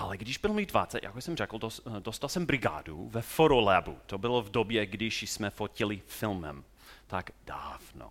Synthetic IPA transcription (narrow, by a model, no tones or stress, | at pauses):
ʔalɛɡdɪʒbɪlmidvat͡saja̰kojsɛmrɛkl̩d̪od̪ost̪alˠsɛmbɾiɡa̰ːd̪ṵvɛfoɾolɛbṵt̪obɪlɔvd̪objɛɡdɪʃsmɛfocilifilmɛ̰m | t̪aɡd̪aːvno̰